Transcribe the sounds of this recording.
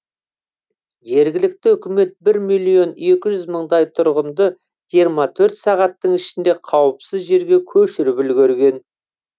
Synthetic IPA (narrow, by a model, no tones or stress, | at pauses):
ʒe̞ɾɡʲɪlɪk̚t̪ɪʏkʲɪme̞t̪̚bɪɾmijlʲˠijo̞ne̞kʲɪʒʏzməɴd̪ɑjt̪ʰʊɾʁənd̪ə | ʒijəɾmɑt̪ʰɵɾt̪sɑʁɑt̪ːəɴɪʃɪnd̪e̞qʰɑwəpsɪzʒe̞ɾɡʲe̞kʲʰɵʃɪɾɪpɪlɡʲɵɾɡʲe̞n